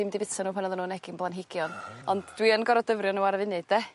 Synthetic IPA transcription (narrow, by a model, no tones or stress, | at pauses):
ɪmdivɪtanuːpʰənɔðɔnuːnɛɡ̥ɪnblˠanɦɪɡ̥jɔnɔndd̥wiənɡɔɾɔdəvrjɔnuarvɪnɨdɛ